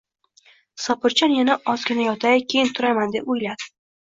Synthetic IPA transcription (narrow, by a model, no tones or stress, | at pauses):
sɒpʰɪɾt͡ʃʰanjanaʔɒzɡʲɪnajɒt̪ʰajkʲʰejɪnt̪ʰʊɾajmand̪epʊjlad̪ɪ